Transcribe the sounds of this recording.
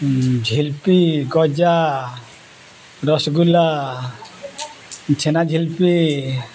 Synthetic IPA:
d͡ʒʱilpiɡɔd͡ʒa | ɾɔsɡula | t͡ʃʰenad͡ʒʱilpi

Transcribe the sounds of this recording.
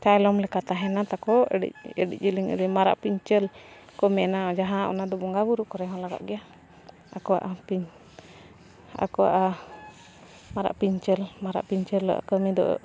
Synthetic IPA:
t͡ʃajlɔmlɛkat̪aɦɛnat̪akɔḭəɖḭc̚ˀd͡ʒiliŋə̰ɾimaɾa̰ʔpiɲt͡ʃəlkɔmɛnad͡ʒaɦãʔɔ̰nad̪ɔbɔŋɡabuɾuʔkɔɾɛɦɔ̃laɡa̰ʔɡɛja | akɔwa̰ʔapiɲ | a̰kɔwa̰ʔa | maɾa̰ʔpiɲt͡ʃəlmaɾa̰ʔpiɲt͡ʃəlːa̰ʔa̰kəmid̪ɔ̰ʔ

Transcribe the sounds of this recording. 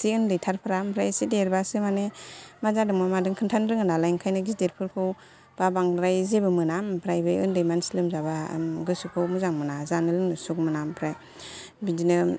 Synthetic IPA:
siɯndɯjtʰaɾpʰɯɾampʰɾajsideɾbasɯmanemazadɯŋmamadɯŋkʰɯntʰanɾɯŋɯnalajŋkʰajnɯɡisdeɾpʰɯɾkʰɯw | b̥abaŋɾajzebɯmɯnampʰɾajbɯɯ̰ndɯjmansilɯmzaba̰ɡɯsukʰɯwmuzaŋmɯnazanɯlɯŋnɯsuk̚mɯnampʰɾaj | bidinɯ

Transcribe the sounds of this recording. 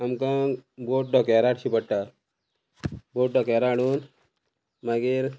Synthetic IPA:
amkãboʈ̚ɖɔkɛɾaʈɕipəɽʈa | boʈ̚ɖɔkɛɾaɽun | maɡiɾ

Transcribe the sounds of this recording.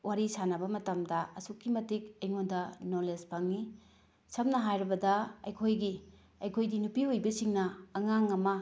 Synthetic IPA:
waɾisanɐbɐmɐtɐmdɐɐsukːimɐtik̚ɐjŋondɐnolespaŋni | sɐmnɐɦajɾɐbɐdɐɐ̰jkʰojɡi | ɐjkʰojdinupiojbɐsiŋnɐːŋaŋɐmɐ

